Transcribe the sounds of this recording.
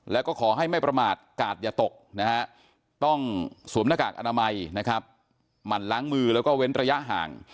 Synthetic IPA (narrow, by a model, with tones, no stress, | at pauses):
lɛː˦˥wkɔː˥˩kʰɔː˩˦ɦa˥˩jma˥˩jpɾa˧maː˨˩t̪̚kaː˨˩t̪̚jaː˨˩t̪o˨˩k̚na˦˥ha˦˥ʔ | t̪ɔ˥˩ŋsuː˨˩˦mnaː˧˩ka̰ː˨˩k̚ʔa˧naː˧ma˧jna˦˥kʰa˦˥p̚ | ma˨˩nlaː˦˥ŋmɯː˧lɛː˦˥wkɔː˥˩we˦˥nɾa˧ja˦˥ʔɦa̰ː˨˩ŋ